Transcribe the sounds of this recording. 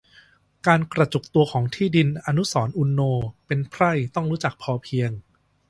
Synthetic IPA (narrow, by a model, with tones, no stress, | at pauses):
kaː˧nkɾa˧t͡ɕu˨˩k̚t̪u˧ɐkʰɔː˩˦ŋt̪ʰiː˥˩di˧nʔa˧nu˦˥sɔː˩˦nʔu˧nːoː˧pe˧npʰɾa˥˩jt̪ɔ˥˩ŋɾuː˦˥t͡ɕa˨˩k̚pʰɔː˧pʰi˧əŋ